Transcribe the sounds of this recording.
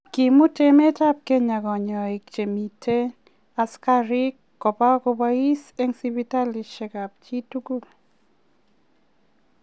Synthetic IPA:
ki˨mu˦te˦me˦ta˦p̚ke˦ɲa˨ɡɔ˨ɲɔ˨e˨k̚t͡ʃe˨mi˨tʰe˦ | a˨ska˦ɾi˦kːɔ˨pa˦ko˧ba˦i˦se˦ŋsi˦bi˦ta˦li˨ʃɛ˨ɡa˨p̚t͡ʃi˦tu˦ɡu˦

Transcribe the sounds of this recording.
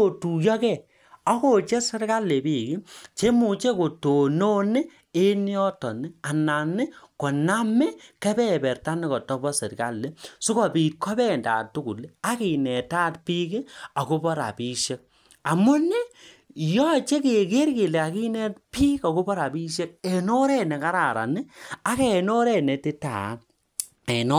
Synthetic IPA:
o˨tu˨jɔ˦kɛ˦˨ | ɔ˦ko˦˨t͡ʃe˦se˦ɾka˦lːe˨biː˦˨ki˦t͡ʃe˦mu˨t͡ʃe˦ko˨to˨no˦ne˦ | e˦ni˦ɔ˦tɔ˨ni˦a˨na˨nɪ˦kɔ˨na˦mɛ˦kɛ˦bɛ˦˨bɛ˨rta˦ne˦kɔ˨tɔ˦bɔ˦se˨ka˦lːe˦su˦kɔ˨pi˨t̚kʰɔ˦bɛ˦˨nda̰˨tu˦ku˨la˨˦ki˨nɛ˨ta˦tpi˦ke˦a˨ko˦bɔ˦ɾa̰˨pi˦ʃe˦k̚ | a˨mu˦nɪ˦ | jɔ˦t͡ʃe˦ke˨ke˦ɾke˨le˨a˨ki˦nɛ˦t̚pi˦ka˨ko˦bɔ˦ɾa˨bi˦ʃe˦k̚e˨no˦ɾɛ˦nɛ˨ka˦ɾa˨ɾa̰˨nɪ˦a˦kɛ˨no˦ɾɛ˦˨nɛ˨te˦ta˨˦ | ɛ˨nɔ˦

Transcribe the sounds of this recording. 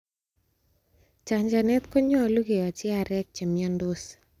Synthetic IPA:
t͡ʃa˨ɲd͡ʒa˨nɛ˦t̪kɔ˦ɲɔ˦˨lu˦ke˨wa˨t͡ʃɪ˦a˨ɾɛ˦k̚t͡ʃe˨miandos

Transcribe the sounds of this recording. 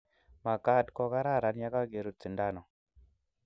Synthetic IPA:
ma˨ka˦˨tkɔ˧ka˦ɾa˦˨ɾa˨nja˦ka˦ɡe˨ɾu˦t͡si˨nda˦˨nɔ˨

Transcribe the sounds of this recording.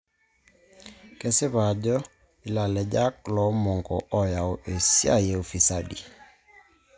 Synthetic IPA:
kɛ˦sɪ˦βa˨d͡ʒɔ˦ | i˨la˨lɛ˨d͡ʒa˦klɔ˨˦mɔ˨ŋɡɔ˨ʔɔ˦ja˨o˨ʔe˨sja̰˦˨je˨o˨fi˨sa˦dḭ˨

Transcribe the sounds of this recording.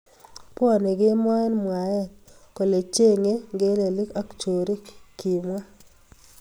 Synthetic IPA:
pɔ˦˨ne˨ɡe˦m˦ɔ˦ɛ˦nmwa˨jɛ˦˨nko˨le˨t͡ʃe˦ŋe˦ɡe˦le˨li˦ka˦kt͡ʃo˨ɾi˦kki˨mwa˦

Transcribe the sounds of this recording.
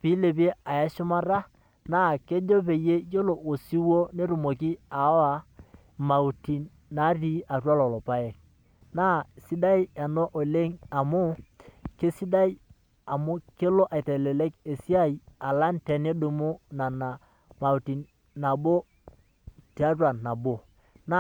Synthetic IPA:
pi˨˦le˨p̬i˦e˦a˨ja˦ʃʊ˦ma˦ɾa˦ | na˦˨ke˦d͡ʒo˦p̬e˨je˦jo˦lo˨ʔo˨si˦wo˦ne˦ɾu˨mo˨ki˦a˨˦a˨ | ma˨u˨ti˨n | na˨˦ri˦a˨twa˦lɔ˨lɔ˨pa˦jɛ˨k̚ | na˦˨si˦da˦ja˨no˦ʔo˨le˦ŋa˨mʊ˦ke˦si˦da˦ji˦ | a˨mʊ˦ke˦lo˦ʔa˨i˨te˨lɛ˨le˦ke˨si˦a˦i˦a˨la˦ntɛ˨ne˦du˨mu˦na˨na˨ | ma˨u˨ti˨n | na˨bo˦ | ti˨˦a˦twa˨nːa˨bo˨ | na˦

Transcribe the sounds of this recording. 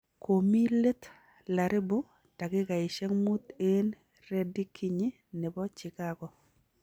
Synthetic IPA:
ko˨mi˦le˦t̪ | la˨ɾɪ˦bʊ˦ | d̥a˨ɡɪ˦ka˨ɪ˨ʃe˦ŋmu˦t̪e˦n | re˦di˦kʰi˦ɲɪ˦ | nɪ˨bɔ˦t͡ʃɪ˨ka˦ɡɔ˦

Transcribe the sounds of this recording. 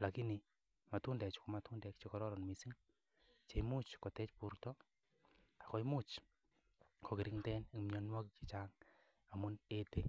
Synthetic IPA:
la˨ki˦ni | ma˨tu˦ndɛ˨t͡ʃi̥komatu˦ndɛ˧k̚t͡ʃekɔɾɔ˦ɾɔ˨nmisi˦ŋ | t͡ʃe˧mu˦t͡ʃko˨tɛ˦t͡ʃpuɾtɔ˦ | a˨kɔ˦jmut͡ʃ | kʰo˨ki˨ɾi˦ŋtɛnkmɲɔ˧nwɔ˦kiki˨t͡ʃaŋ | a˨mune˦te˦

